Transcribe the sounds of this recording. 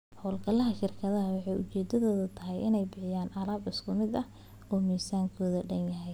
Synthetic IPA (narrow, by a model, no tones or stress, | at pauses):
hɔːlɡɐlɐɦɐʃɪrkʰɐðɐɦɐwɑħɑjʊt͡ʃɛːd̪ɐðɔːðɐt̪ʰɐɦɛjʔɪ̰nɛjbɪħɪjaːnɐɾaːbɪskʰʊmɪd̪ɐh | ɔːmiːsaːŋkʰɔːðɐɖɐnjɐɦɛj